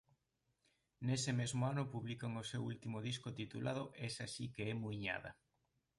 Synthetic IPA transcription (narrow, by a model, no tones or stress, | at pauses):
nesɪmezmoanʊpuβlikaŋosewṵlt̪imoð̞iskot̪it̪ulʔað̞oʔɛsasikeɛmujɲa̰ðɐ̰